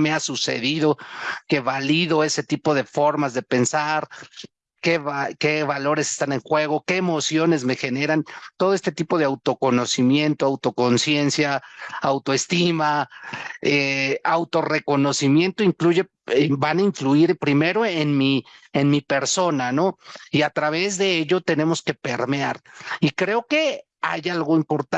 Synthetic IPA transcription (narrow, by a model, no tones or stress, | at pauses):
measuse̞̰ðiðo̞ke̞βaliðo̞e̞se̞t̪ipo̞ðe̞fo̞ɾmazðe̞pe̞nsaɾ | keβake̞βalo̞ɾe̞sest̪ane̞ŋxwe̞ɣ̞o̞ke̞ːmo̞sjo̞ne̞zme̞xe̞ne̞ɾant̪o̞ðoe̞st̪et̪ipo̞ð̞e̞awt̪o̞ko̞no̞simje̞nt̪oawt̪o̞ko̞nsje̞nsjaːwt̪oe̞st̪ima | eawt̪o̞re̞ko̞no̞simje̞nt̪oiŋkluʝe̞ | banaiɱfluiɾpɾime̞ɾoenmienmipe̞ɾso̞nano̞iat̪ɾaβ̞e̞zðe̞eʎo̞t̪e̞ne̞mo̞ske̞pe̞ɾmeaɾikɾe̞o̞ke̞ | a̰jalɣo̞impo̞ɾt̪a